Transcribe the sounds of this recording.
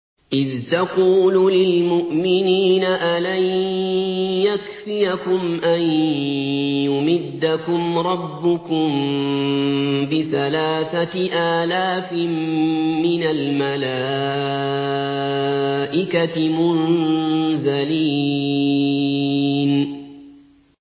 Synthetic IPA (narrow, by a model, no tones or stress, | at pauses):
ʔɪðt̪ɑquːlulɪlmʊʔmɪniːnaʔalan | jakfɪjakʊmʔan | jʊmɪd̪ːakʊmɾˤɑbːʊkʊm | bɪθalaːθaʔaːlaːfmmɪnalmalaː | ʔɪkatmʊn | zaliː | n